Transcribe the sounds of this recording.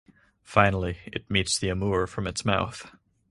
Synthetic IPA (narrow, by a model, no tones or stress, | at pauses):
fãɪ̃nl̩ˠiɨ̰t̚mitsðiɨmuɹfɹʌ̃mɨtsmaʊθ